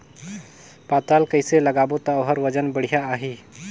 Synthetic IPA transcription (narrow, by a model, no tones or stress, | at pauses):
pat̪alkəjseləɡabot̪aɦəɾʋəd͡ʑənbəɽ̤ijaːɦi